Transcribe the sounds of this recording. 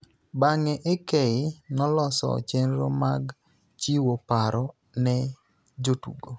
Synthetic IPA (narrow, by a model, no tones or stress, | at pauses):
baŋɛʔekɛɪnɔlɔsɔ̰t͡ʃenɾɔ̰maɡ | t͡ʃiwopaɾɔ | nɛ | d͡ʒotṵɡo